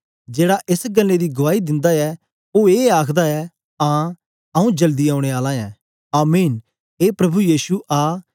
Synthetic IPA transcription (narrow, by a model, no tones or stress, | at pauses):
d͡ʒeːɽaʔɪsɡɐlːed̪iɡʊʋaːid̪ɪ̃nd̪aɛ | oːeːaːkʰd̪aɛ | ãː | ɐũd͡ʒɐld̪iaːʊ̃ɽ̃eaːlãɛ̃ː | aːmiːn | eːpɾɐbujiːsuʔaː